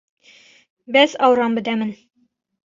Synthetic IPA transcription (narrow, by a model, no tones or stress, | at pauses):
bæzɒwɾɑmbɘ̆d̪æmɘn